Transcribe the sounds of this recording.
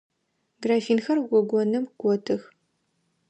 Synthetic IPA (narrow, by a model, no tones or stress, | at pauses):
ɡraːfiːnxɐrɡʷɔɡʷɔnɨmɡ̥ʷɔtʰɨx